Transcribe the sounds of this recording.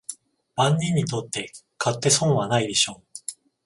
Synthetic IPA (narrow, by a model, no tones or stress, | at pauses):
b̥ãɲːĩɲ̟ːit̪o̞t̪ːe̞ | kʰat̪ːe̞sõ̞ɰ̃βanaid̪e̞ɕo̞ː